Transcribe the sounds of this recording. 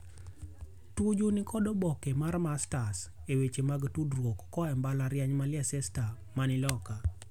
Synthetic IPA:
tud͡ʒunikʰɔdɔbɔkɛmarmastasewet͡ʃemaɡtudɾwokːɔɛmbalaɾjaɲmalɪɛsɛsta | manɪlɔka

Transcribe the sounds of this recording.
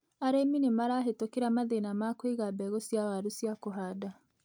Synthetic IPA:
aɾeminemaɾaːɦetokeɾamaðenamakweɣabɛɣosjawaɾusjakoɦaːda

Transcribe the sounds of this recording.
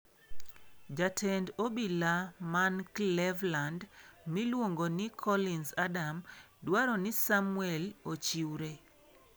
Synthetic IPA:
d͡ʒatʰɛndobilamanklɛvlandmilwoŋɡonɪkʰɔlinsadam | dwaɾɔnɪsamwɛlot͡ʃiwɾe

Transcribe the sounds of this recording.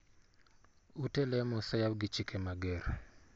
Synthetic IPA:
utelɛmosajabɡɪt͡ʃikʰemaɡeɾ

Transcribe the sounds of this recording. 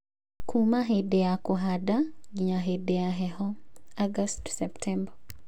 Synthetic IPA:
kʰumaɦedeakɔɦadaɡiɲaɦedeaɦɛhɔaɡastsɛptʰɛmba

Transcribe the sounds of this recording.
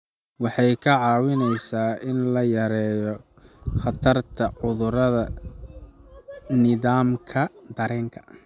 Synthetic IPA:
wɑħɑjkʰɐʕɑːwɪnɛjsaːɪnlɐjɐɾɛːjɔ | χɑt̪ʰɐrt̪ʰɐʕʊðʊɾɐðɐ | nɪðaːmkʰɐd̪ɐɾɛːŋkʰɐ̥

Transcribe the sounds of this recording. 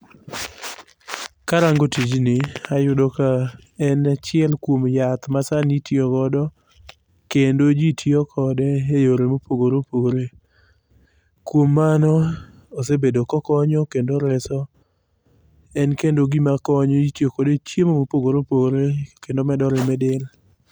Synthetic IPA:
kaɾaŋɡotid͡ʒnɪajʊdoka | ɛnat͡ʃɪɛlkwomjat̪masanitjokɔdɔ | kendod͡ʒitʰjokʰɔdɛejoɾemopoɡoɾopoɾe | kwomːanɔ | osebedokɔkɔɲɔkendoɾɛsɔ | ɛnkendoɡimakɔɲɔitjokɔdet͡ʃjemomopoɡoɾopoɾekendomɛdɔɾɪmɛdɪl

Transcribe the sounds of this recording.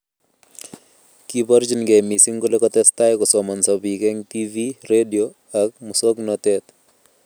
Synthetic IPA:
kibɔɾd͡ʒinɡemisiŋkolekɔt̪ɛstajkɔsɔmɔnsɔbikɛŋt̪iviɾedio | ak̚musoknɔt̪ɛt̪

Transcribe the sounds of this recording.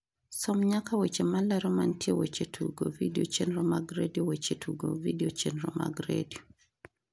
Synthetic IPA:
sɔmɲakawet͡ʃemalaɾɔmantjewet͡ʃetʰuɡo̰vidiot͡ʃenɾɔmaɡɾediowet͡ʃetʰuɡo̰vidiot͡ʃenɾɔma̰ɡɾḛdio

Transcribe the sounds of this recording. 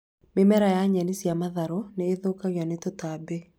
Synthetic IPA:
memɛɾajaɲɛnisjamaðaɾoneːðokaɣjanetotabe

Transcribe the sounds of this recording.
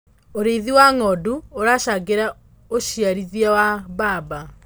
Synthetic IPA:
oɾeðiwaŋɔduoɾaʃaɡeɾa | oʃiaɾiðiawaβaːba

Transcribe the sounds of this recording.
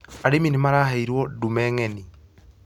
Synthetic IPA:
aɾeminemaɾaɦaiɾwɔdumɛːŋɛni

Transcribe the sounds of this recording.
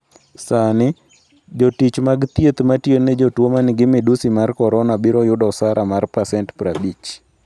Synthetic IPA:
sanɪ | d͡ʒotit͡ʃmaɡt̪jet̪matjened͡ʒotwomanɪɡɪmɪdusimarkɔɾɔnabɪɾɔjʊdɔsaɾʔamarpasɛntpɾabit͡ʃ

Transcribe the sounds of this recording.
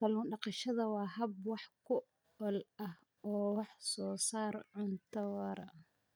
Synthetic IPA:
fɐluːnɖɑqɑʃɐðɐwɑːɦɐb̚wɑħkʰʊ | ɔlɐh | ɔːwɑħsɔːsaːrʕʊnt̪ʰɐwɐɾɐ

